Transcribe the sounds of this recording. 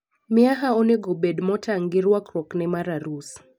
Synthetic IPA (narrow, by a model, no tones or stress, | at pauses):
mɪaɦaoneɡobedmɔtʰaŋɡɪɾwakɾɔknɛmaɾaɾus